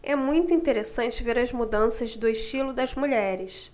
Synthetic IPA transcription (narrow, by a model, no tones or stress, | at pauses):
ɛmũj̃t̪ʊĩnt̪eɾesɐ̃nt͡ʃɪveɾɐzmud̪ɐ̃sɐzd̪ʊɪʃt͡ʃilʊd̪ɐzmuʎɛɾɪs